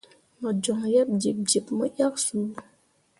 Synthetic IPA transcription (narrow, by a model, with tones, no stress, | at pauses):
mə˨d͡ʒɔ˨ŋjɛ˦p̚di˨p̚di˨pmə˦ʔa˦k̚su˨˦